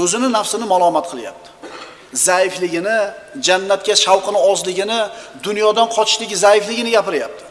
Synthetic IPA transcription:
ɵzɪnɪnafsɪnɪmalˠɒmat̪qʰɨlˠja̰p̚t̪ʰɪ̥ | zajɪflɪɡʲɪnɪd͡ʒanːat̪̚kʲaʃawqʰɨnɪɒzlɪɡʲɪnɪd̪ʊnjɒd̪anqʰɒt̪ʰɪʃlɪɡʲɪzajɪflɪɡʲɪnɪɡʲapɪɾɪjap̚t̪ʰɪ̥

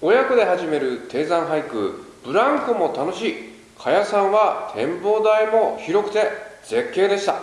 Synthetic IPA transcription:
o̞jakɯ̟d̪e̞ɦaʑime̞ɾɯ̟t̪e̞ːzãɰ̃ɦaikɯ̟̰b̥ɯ̟ɾãŋkɯmo̞t̪ano̞ɕiː | kʰajasãɰ̃βat̪ʰẽ̞mbo̞ːd̪aimo̞çiɾo̞kɯ̟̥t̪e̞z̥e̞kʲːe̞ːd̪e̞ɕi̥t̪a

